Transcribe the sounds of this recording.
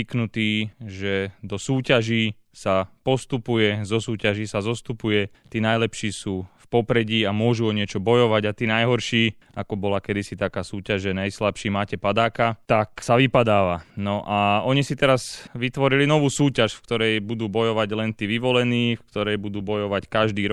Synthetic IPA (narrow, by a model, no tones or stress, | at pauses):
iknut̪iːʒɛd̪ɔsuːcaʒiː | sapɔst̪upujɛzɔsuːcaʒiːsazɔst̪upujɛ | t̪iːnajlɛpʃiːsuːfpɔpɾɛɟiːamʊɔʒuɔɲɪɛt͡ʃɔbɔjɔʋaɟat̪iːnajɦɔɾʃiː | akɔbɔlakɛd̪isit̪akaːsuːcaʒɛnajslapʃiːmaːcɛpad̪aːkat̪aksaʋipad̪aːʋanɔʔaɔɲisit̪ɛɾazʋit̪ʋɔɾilinɔʋuːsuːcaʃfkt̪ɔɾɛjbud̪uːbɔjɔʋaɟlɛnt̪iːʋiʋɔlɛniːfkt̪ɔɾɛjbud̪uːbɔjɔʋackaʒd̪iːɾ